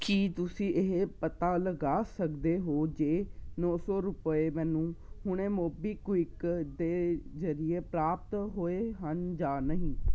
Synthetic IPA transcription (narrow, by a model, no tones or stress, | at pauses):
kiːt̪ʊsĩːʔeɦpət̪aːləɡaːsəkd̪eːɦoːd͡ʒeːnɔːsɔːɾʊpəeːmɛ̃ːnũːhʊɳeːmoːbiːkwɪkd̪eːzəɾɪeːpɾaːp̚t̪ɦoːeːɦənd͡ʒaːnəɦĩː